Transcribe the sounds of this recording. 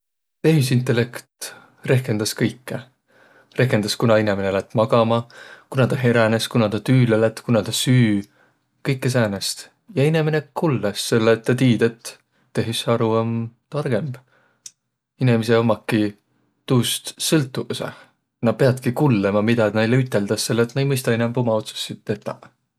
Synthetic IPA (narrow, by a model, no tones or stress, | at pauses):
t̪e̞ɦis̬int̪ːˑe̞le̞kt̪ | re̞hke̞nd̪̥ɑskɤjkːe | re̞hkend̪ɑskunɑinemenelæt̪ːˑmɑɡ̥ɑmɑkunɑt̪ɑɦeɾæneskunɑt̪ɑt̪yːlelæt̪kunɑt̪ɑsyː | kɤjkːes̬æːnest̪ | jɑinemenekulːesːe̞lːet̪ːɑt̪iːd̪et̪ː | e̞ɦisɑɾuɑmt̪ɑrɡ̥e̞mb | inemiseomɑkːi | t̪uːst̪sɤlt̪ːˑuusḛ | nɑd̪̚peɑd̪kikulːemɑmid̪ɑnejleyt̪ːˑe̞ld̪̥ɑsːe̞lːt̪nɑejmɤjst̪ɑinɛmbo̞mɑo̞t̪su̥sːit̪ːet̪ːˑɑ̰